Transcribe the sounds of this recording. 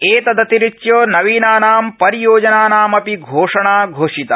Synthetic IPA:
eːt̪ɐd̪ɐt̪iɾit͡ʃjoːnɐʋiːnaːnaːmpɐɾijoːd͡ʒɐnaːnaːmɐpiɡʱoːʂɐɳaːɡʱoːʂit̪ɐ

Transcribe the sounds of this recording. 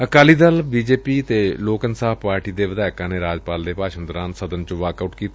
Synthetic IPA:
əkaːliːd̪əlbiːd͡ʒeːpiːt̪eːloːkənsaːɦpaːɾʈiːd̪eːʋɪd̪aːɪkãːneːɾaːd͡ʒpaːld̪eːpaːʃənd̪əɾãːnsəd̪ənt͡ʃə̃ʋaːkaʊʈkiːt̪a

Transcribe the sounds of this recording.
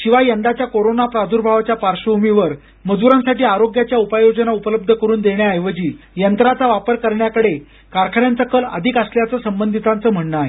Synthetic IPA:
ɕiʋajənd̪at͡ɕjakoɾonapɾad̪ʱuɾbʱaʋat͡ɕjapaɾɕəbʱumiʋəɾ | məd͡zuɾãnsaʈiːaɾoɡjat͡ɕjaupajod͡ʑənaupələb̚d̪ʱəkəɾuːnd̪eɳjaəjʋəd͡ʑiː | jənt̪ɾat͡saʋapəɾkəɾɳjakəɽe | kaɾkʰəɽjant͡səkələ̰d̪ʱikəsljat͡səːsəmbənd̪ʱit̪ãnt͡səːm̤əɳːa

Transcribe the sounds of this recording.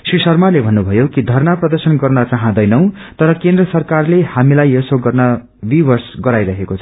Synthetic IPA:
srisʌrmalebʱʌnːubʱʌjokid̪ʱʌrnaprʌd̪ʌrsʌnɡʌrnʌt͡saɦãd̪ʌjnʌw̃ | t̪ʌɾʌkend̪rʌsʌrkarlehamilajesoɡʌrnʌ | bibʌrsɡʌɾajɾʌɦekot͡sʰʌ̥

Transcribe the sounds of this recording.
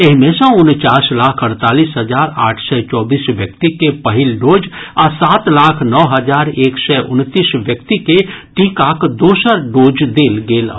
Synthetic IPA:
eɦmẽsə̃ʊnt͡ʃaːslaːkʰəɾt̪aːliːsɦəzaːɾa̰ːʈʰsɛt͡ʃɔːbiːsʋjək̚t̪ikepɐɦɪlɖoːd͡ʒaːsaːt̪laːkʰnɔːɦəd͡ʒaːɾeːksɛʔʊ̰nt̪iːsʋjəkt̪ikeʈĩːkaːkd̪oːsəɾɖoːd͡ʒd̪eːlɡeːla̰

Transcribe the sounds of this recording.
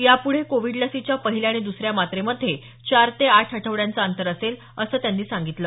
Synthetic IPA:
japuɽ̤ekoʋiɽləsit͡ɕjapəɦiljaɽ̃id̪usɾjamat̪ɾeməd̪ʱːje | t͡ɕaɾt̪eaʈʰɦəʈʰəʋɽjant͡saənt̪əɾəsel | əsəːt̪janːiːsaŋɡit̪ləː

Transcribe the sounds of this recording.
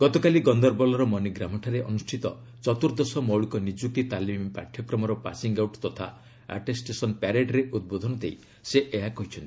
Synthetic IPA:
ɡ̥ɔt̪ɔkaliɡɔnd̪ɔɾbɔlɔɾɔmɔniɡɾamɔʈʰaɾeʔɔnusʈʰit̪ɔ | t͡ʃɔt̪uɾd̪ɔsɔmɔwɭikɔnid͡ʒuk̚t̪it̪alimpa̰ʈʰjɔkɾɔmɔɾɔpa̰siŋɡawʈt̪ɔt̪ʰa̰ | a̰ʈesʈesɔnpaɾeɖɾeʔud̪̚bod̪ʱɔnɔd̪ei | seʔeɦakɔɦit͡ʃʰɔnt̪i̥

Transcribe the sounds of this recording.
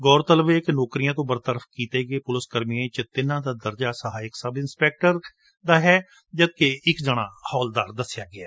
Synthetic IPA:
ɡɔːɾt̪əlʋeːɪknɔːkɾijãːt̪̬õːbəɾt̪əɾəfʰkiːt̪eɡeːpʊlɪskəɾmiẽt͡ʃət̪ɪnãːd̪aːd̪əɾd͡ʒaːsəɦaːɪksəbɪnspɛːk̚ʈəɾ | d̪aːɦɛː | d͡ʒət̪̚keɪkd͡ʒəɽ̃a̰ːhɔːld̪aːɾd̪əsɪjaːɡɪɛː

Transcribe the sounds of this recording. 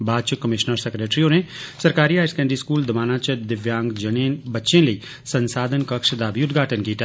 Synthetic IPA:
baːd̪t͡ʃɪkəmɪʃnəɾsekɾeːʈɾiõnesɐɾkaːɾiɦaːɪskɛ̃ːɳɖɾiskuːld̪ɐmaːnãːt͡ʃəd̪ɪʋjãːŋɡd͡ʒɐneːnbɐtːʃẽləi | sɐ̃nsaːd̪ʱənkɐkʃd̪aːbiʊt̪ɡʱaːʈənkiːt̪a

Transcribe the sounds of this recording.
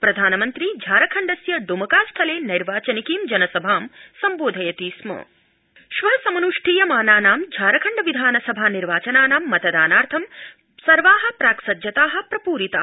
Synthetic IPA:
pɾɐd̪ʱaːnɐmɐnt̪ɾid͡ʒʱaːɾɐkʰɐɳɖɐsjɐd̪umɐkaːsʈʰɐleːniɾʋaːt͡ʃɐnikiːmd͡ʒɐnɐsɐbʱaːmsɐmboːd̪ʱɐjɐt̪iːsmɐ̰ | ʃʋɐsɐmɐnuʂʈʰiːjɐmaːnaːnaːmd͡ʒʱaːɾɐkʰɐɳɖɐʋid̪ʱaːnɐsɐbʱaːniɾʋaːt͡ʃɐnaːnaːmːɐt̪ɐd̪aːnaːɾt̪ʰɐm | sɐɾʋaːɦɐ̆pɾaːkʃɐd̪jɐt̪aːɦɐ̆pɾɐpuːɾit̪a̰ː

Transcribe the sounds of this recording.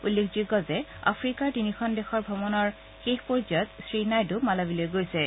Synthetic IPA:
ulːekʰziɡɔzɛa̰pʰɹikaɹtinixɔndɛxɔɹbʱɔbɔnɔɹ | xexpɔɹzɔɔtsɹinajdʊmalabilojɡojsɛ

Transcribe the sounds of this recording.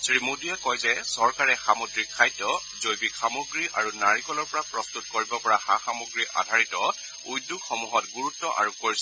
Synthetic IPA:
sɹimudiɛkɔjzɛsɔɹkaɹɛxamodɹikʰːajtɔ | zojbikxamoɡɹiʔaɹunaɹikɔlɔɹpɔɹapɹɔstut̚koɹibɔpɔɹaxaxamoɡɹiʔa̰dʱaɹitɔ | ujduɡxɔmuɦɔtɡuɹutːɔʔa̰ɹukoɹis

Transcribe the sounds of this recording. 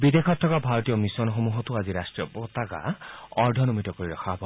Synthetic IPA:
bid̪ekʰɔt̪ʰːɔkabʱaɹɔt̪ijɔmisɔnxomuɦɔtuaziɾasʈɹiɔbɔt̪aɡa̰ɔɹdʱɔnomitɔkoɹiɾɔkʰaɦɔbɔ

